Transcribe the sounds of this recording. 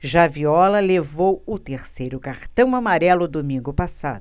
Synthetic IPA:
ʒaviɔlɐlevowʊt̪eɾsejɾʊkaɾt̪ɐ̃w̃amaɾɛlʊd̪omĩŋɡʊpasa̰d̪ʊ

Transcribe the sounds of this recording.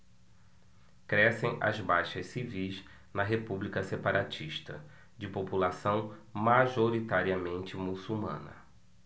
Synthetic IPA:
kɾɛsẽj̃ɐ̰zbajʃɐssivijz | nɐɦepublikɐsepaɾʔat͡ʃiʃt̪ɐ̰ | d͡ʒɪpopulasɐ̃w̃maʒoɾit̪aɾiɐmẽnt͡ʃɪmusumɐ̰̃nɐ̰

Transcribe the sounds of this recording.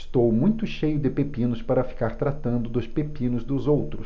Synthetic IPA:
st̪owmũj̃t̪ʊʃejʊd̪ɪpepĩnʊspaɾɐfi̥kaɾt̪ɾat̪ɐ̃nd̪ʊd̪ʊspepĩnʊzd̪ʊzowt̪ɾʊs

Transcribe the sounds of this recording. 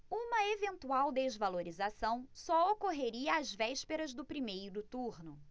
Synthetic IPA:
ũmɐevẽnt̪uawd̪ezvaloɾizasɐ̃w̃sɔokoɦeɾiɐːzvɛʃpeɾɐzd̪ʊpɾimejɾʊd̪ʊt̪uɾnʊ

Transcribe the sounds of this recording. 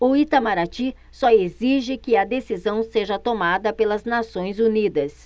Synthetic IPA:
oit̪amaɾat͡ʃi | sɔeziʒɪkɪɐd̪esizɐ̃w̃seʒɐt̪omad̪ɐpelɐznasõj̃zunid̪ɐs

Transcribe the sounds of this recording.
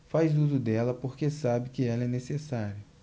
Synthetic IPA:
fajzd̪ud̪ʊd̪ɛlɐpoɾkesabɪkɪɛlɛnesesaɾjɐ

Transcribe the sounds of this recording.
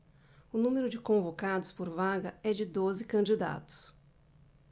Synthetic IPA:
ʊnũmeɾʊd͡ʒɪkõvokad̪ʊspoɾvaɡɐɛd͡ʒɪd̪ozɪkɐ̃nd͡ʒid̪a̰t̪ʊ̥s

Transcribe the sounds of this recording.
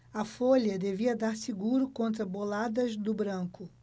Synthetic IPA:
ɐfolɐd̪eviɐd̪aɾsiɡuɾʊkõnt̪ɾɐbolad̪ɐzd̪ʊbɾɐ̃ŋkʊ

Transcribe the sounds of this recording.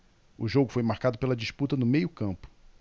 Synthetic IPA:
ʊʒoɡʊfojmaɾkad̪ʊpelɐd͡ʒiʃput̪ɐnʊmejʊkɐ̃mpʊ̥

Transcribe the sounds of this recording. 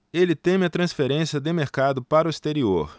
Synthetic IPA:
elɪt̪ẽmɪɐt̪ɾɐ̃sfeɾẽsiɐd̪ɪmeɾkad̪ʊpaɾʊist̪eɾio̰ɾ

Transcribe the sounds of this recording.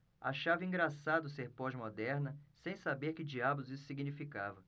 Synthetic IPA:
a̰ʃavɐĩɡɾasad̪ʊs̬eɾpɔʒmod̪ɛɾnɐsẽj̃sabeɾkɪd͡ʒiabʊzisʊ̥siɡinifikavɐ

